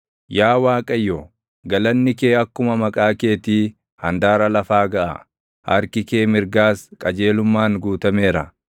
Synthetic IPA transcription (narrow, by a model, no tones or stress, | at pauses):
jaːwaːkʼɐjːo | ɡɐlɐnːɪke̞ːɐkːʊmɐmɐkʼaːke̞ːt̪iː | hɐnd̪aːɾɐlɐfaːɡɐʔɐ̰ | hɐɾkɪke̞ːmɪɾɡaːskʼɐd͡ʒe̞ːlʊmːaːŋɡuːt̪ɐme̞ːɾɐ